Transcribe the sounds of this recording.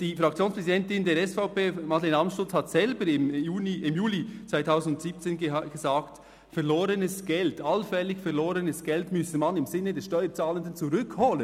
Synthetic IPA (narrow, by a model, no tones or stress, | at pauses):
d̥iːfɾɑk̚t͡sjoːnspʁ̥ɛzidɛntɪndeːɾɛsfaʊpeːmɑtlenɑmsʃtʊt͡shatsɛlbəɾɪmjuːiɪmjuːlit͡svaɪtʰaʊzn̩dʊntsiːp̚t͡seːnɡ̥ezaːkt | fɛʁloːɾənəsɡ̥ɛltalfɛlɪçfɛʁloːɾənəsɡ̥ɛltmʏsemɑnɪmzɪnːədɛsʃtɔʏət͡saːləndənt͡suʁʏkhoːlən